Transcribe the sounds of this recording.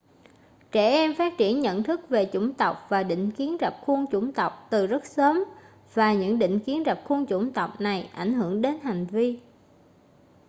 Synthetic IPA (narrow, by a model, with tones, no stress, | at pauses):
t͡ɕɛ˧˩ʔɛ˧mfaː˦˥t̚t͡ɕi˧˩ənɲə̰˧˨nt̪ʰɨ˦˥k̚ve˨˩t͡ɕʊ˧˩ŋ͡mt̪ə˨˩wk͡p̚vaː˨˩ɗḭ̈˧˨ŋ̟ki˨˦ənzə˨˩p̚xu˧ənt͡ɕʊ˧˩ŋ͡mt̪ə˨˩wk͡p̚t̪ɨ˨˩zə˦˥t̚səː˨˦m | vaː˨˩ɲɨ̰˧˥ŋɗḭ̈˧˨ŋ̟ki˨˦ənzə˨˩p̚xu˧nt͡ɕʊ˧˩ŋ͡mt̪ə˨˩wk͡p̚na˨˩jʔa˧˩jŋ̟ɦɨ˧˩əŋɗe˨˦nɦa˨˩jŋ̟vi˧